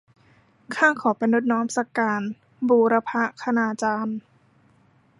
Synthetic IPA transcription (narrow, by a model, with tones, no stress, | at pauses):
kʰaː˥˩kʰɔː˩˦pa˧jnu˦˥t̪̚nɔː˦˥msa˧kaː˧n | buː˧ɾa˧pʰa˦˥ʔkʰa˧naː˧t͡ɕaː˧n